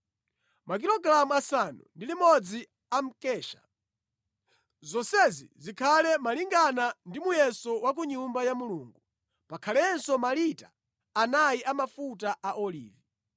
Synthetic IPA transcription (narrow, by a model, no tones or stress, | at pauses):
mak̬ilɔɡɾamuasanṵndilimɔd͡zi | am̩kɛːʃḁ̰ | zɔnsɛzḭzikʰalɛmaliŋɡanandimujɛsɔwak̬uɲumbajamuluːŋɡu | pakʰalɛnsɔmalitaː | najiʔamafutaʔaʔɔlḭːvi